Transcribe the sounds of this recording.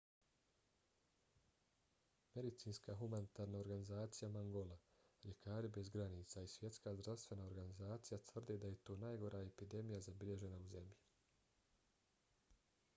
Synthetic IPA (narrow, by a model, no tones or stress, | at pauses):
me̞d̪it̪siːnskaːɦumanit̪aːɾnao̞ɾɡanizaːt̪sijamaŋɡo̞lˠa | ʎe̞kʰaːɾibe̞zɡɾaniːt̪saisʋje̞t̪skaːzd̪ɾafst̪ʋe̞nao̞ɾɡanizaːt̪sijat̪vr̩d̪ed̪aje̞t̪o̞ːnajɡo̞ɾʔaːe̞pid̪e̞mijazabiʎe̞ʒe̞nauze̞mʎi